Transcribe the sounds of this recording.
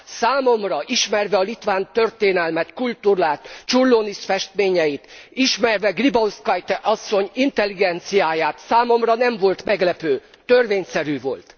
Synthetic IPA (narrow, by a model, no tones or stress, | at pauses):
saːmo̞mrɒʔiʃmɛrvɛɒlit̪ʋaːnt̪ø̞rt̪eːnɛlmɛt̪kult̪uɾaːt̪t͡ʃurloːniʃfɛʃt̪meːɲɛjit̪iʃmɛrvɛɡribɒwskɒjt̪ɛʔɒsːo̞ɲint̪ɛlːiɡɛnt̪sijaːjaːt̪saːmo̞mrɒnɛɱvo̞lt̪mɛɡlɛpøː | t̪ø̞rveːɲsɛɾyvo̞̰lt̪